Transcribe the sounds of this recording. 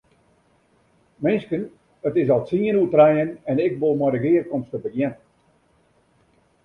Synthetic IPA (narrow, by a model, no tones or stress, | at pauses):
mɪnskən | ətɪsɔlˠtsiənutrɛjənɛnɪk̚bolˠmɔdəɡɪːərkɔmstəbəjɛn